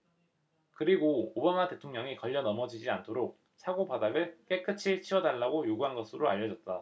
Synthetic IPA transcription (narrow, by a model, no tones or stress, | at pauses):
kɯɾiɡoobamate̞tʰoŋɲʌŋikʌʎːʌnʌmʌd͡ʑid͡ʑiantʰoɾok̚ | sʰaɡopadaɡɯɭk͈e̞kʰɯt͡ɕʰiɭt͡ɕʰiʌdaɭːaɡojoɡuɦanɡʌsʰɯɾoaʎːʌd͡ʑʌt̚t͈a